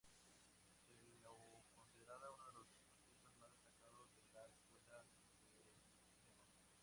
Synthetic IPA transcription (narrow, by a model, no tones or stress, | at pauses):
elokonsiðeɾaðaunoðelosepontesozmazðest̪akaðozðellaeskwela | d̪es | sit̪ema